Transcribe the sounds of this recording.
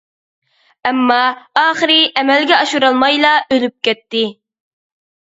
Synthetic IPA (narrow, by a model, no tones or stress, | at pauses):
ɛmːɑɑːχəɾɪʔɛmɛlɡʲɛɑʃuɾɑlˠmɑjlˠɑʔølyp̚kʲɛt̪ːɪ